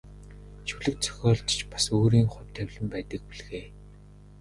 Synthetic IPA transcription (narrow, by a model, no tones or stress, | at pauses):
t͡ɕuɮɘ̆k̚t͡sʰœ̥xʲɔːɮt̪t͡ɕpḁsoːɾiːŋχʊ̟wʲt̪ʰːæwʲɮɘ̆mpæːt̪ə̆k̚piɮɣeː